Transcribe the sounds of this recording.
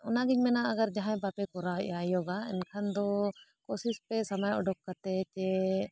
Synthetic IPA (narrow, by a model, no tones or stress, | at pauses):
ɔnaɡɛɲmɛnaəɡaɾd͡ʒaɦãjpapɛkɔɾaʔajɔɡaɛ̰nkʰand̪ɔkɔsispɛsamajʔɔɖɔkːat̪ɛt͡ʃɛ